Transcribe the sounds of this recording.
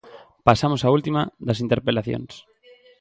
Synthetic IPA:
pasamosault̪imaðɐsint̪eɾpelaθjo̰ŋs

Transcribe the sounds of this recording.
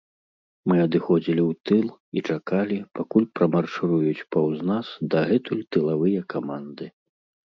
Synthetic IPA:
mɨɐd̪ɨxɔd͡zʲilʲiwt̪ɨlˠit͡ʂakalʲipakulʲpɾɐmarʂɨɾujut͡sʲpawznasd̪ɐɣɛt̪ulʲt̪ɨlˠavɨjɐkamand̪ɨ

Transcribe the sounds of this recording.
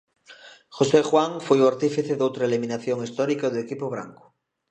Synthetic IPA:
xosexwaŋfojuaɾt̪ifiθeðowt̪ɾaelimĩnaθjoŋist̪ɔɾikaðeekipoβ̞ɾa̰ŋkʊ̥

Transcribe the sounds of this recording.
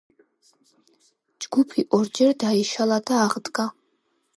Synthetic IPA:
d͡ʒɡupʰiʔʼɔrd͡ʒɛrdaiʃaladaːʁdkʼa

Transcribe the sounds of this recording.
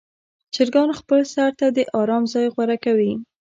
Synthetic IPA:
t͡ʃɪɾɡɑnxpəlsaɾt̪ad̪əʔɑɾɑmzɑjɣwaɾakawi

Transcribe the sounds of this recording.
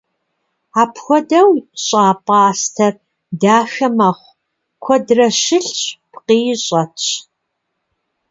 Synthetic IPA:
aːpʰxʷɔdɐwɕʼaːpʼaːstʰɐr | daːʃɐmɐχʷ | kʷʰɔdrɐʃɪɬɕpqiːɕʼɐt

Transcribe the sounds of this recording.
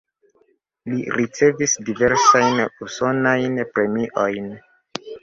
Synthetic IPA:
liɾit͡se̞visdive̞ɾsajnuso̞najnpɾe̞miʔojn

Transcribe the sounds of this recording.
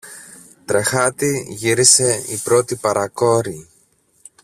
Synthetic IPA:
t̪ɾe̞xɐt̪iʝiɾise̞ipɾo̞t̪ipɐɾʔɐko̞ɾi

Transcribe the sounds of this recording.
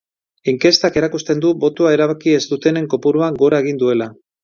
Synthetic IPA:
iŋke̞st̪ake̞ɾakust̪e̞nd̪ubo̞t̪oae̞ɾaβakie̞zd̪ut̪e̞ne̞ŋko̞puɾuaŋɡo̞ɾae̞ɣ̞ind̪ue̞la

